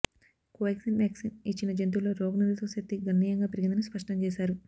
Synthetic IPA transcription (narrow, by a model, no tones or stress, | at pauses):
kuʋjksinmeːksinit͡ʃːinɐd͡ʒent̪̬ulo̞ːɾoːɡnuɾɐt̪osɐt̪ːiɡɐnːiːjɐŋɡaːpiɾiɡind̪ɐnɐspɐʂʈɐɲt͡ʃɛːʃaːɾu